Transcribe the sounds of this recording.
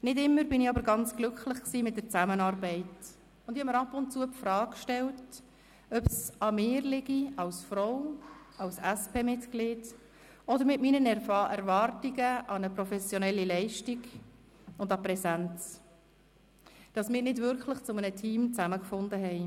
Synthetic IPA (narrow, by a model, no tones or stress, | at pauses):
nɪdɪmːəɾbɪnɪɑbəɾɡɑnt͡sɡ̥lʏkχlɪχksiːmɪt̚dəɾt͡sæmənɑːɾbɛɪt | ʊnd̥ihɛmːəɾɑpʊntt͡suːəpfrɑːkkʃtɛlt | œpsɑmɪːɾlɪɡiɑwsfɾɔʊ | ɑlsɛspʰeːmɪtklɪːd | ɔd̪əɾmɪtmiːnənɛɾfɛɾvɑːrtiɡəʔɑnəpɾɔfɛsjɔnɛlːilɛɪʃtiɡ | ʊndɑpɾɛsænt͡s | d̥ɑsmɪːɾnɪdvʏɾkχlɪχt͡sʊmənətʰiːmt͡sæməkfʊndəɦɛɪ